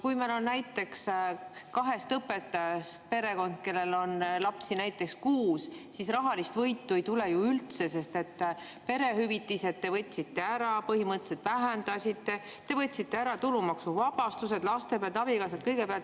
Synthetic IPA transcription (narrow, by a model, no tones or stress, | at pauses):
kujmelo̞nnæjt̪ːe̞kskɑɦe̞st̪ɤpːe̞t̪ːˑɑjɑst̪̚pe̞ɾe̞ko̞nd̪̥̚ke̞lːe̞lo̞nlɑpsinæjt̪ːˑe̞kskuːssisrɑɦɑlist̪vɤjt̪ːuejt̪ule̞juylt̪se̞se̞st̪e̞t̪ːˑ | pe̞ɾe̞ɦyvit̪ːˑise̞t̪ːe̞vɤt̪ʲːsit̪ːe̞æɾɑpɤhimɤt̪ːˑeset̪væɦænd̪ɑsʲit̪ːe̞ | t̪e̞vɤt̪ʲːˑsit̪ːe̞æɾɑt̪ulumɑksuvɑb̥ɑst̪use̞d̪̥lɑst̪e̞peæɑlt̪ɑbikɑs̬ɑt̪̚kɤjɡepeɑlt̪